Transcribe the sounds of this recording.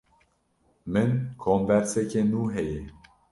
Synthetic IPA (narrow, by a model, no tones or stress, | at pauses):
mɨnkʰoːmbɛɾsɛkenuːɦɛje